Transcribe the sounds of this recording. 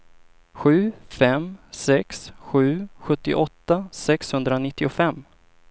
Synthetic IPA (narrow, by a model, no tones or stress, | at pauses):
ɧʉ̟ːfɛmsɛksɧʉ̟ːɧɵt̪ːɪ̰ʔɔt̪ːasɛkshɵnd̪ɾanɪt̪ːɪʊfɛmː